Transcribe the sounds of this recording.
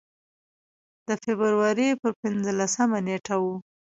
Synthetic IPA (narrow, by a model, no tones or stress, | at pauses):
d̪̥əfebəɾwaɾipəɾpɪnzəlasəmaneʈʰawu